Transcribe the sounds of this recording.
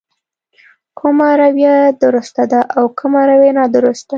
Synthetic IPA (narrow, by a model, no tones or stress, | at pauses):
kʰumaɾawjad̪əɾust̪ad̪aʔawkəmaɾawenɑd̪əɾust̪a